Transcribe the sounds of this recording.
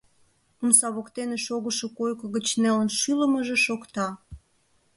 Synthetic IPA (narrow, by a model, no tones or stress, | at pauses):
umsɑβokt̪eneʃoɣəʃokojkəɣət͡ɕnelənʃyləməʒeʃokt̪ɑ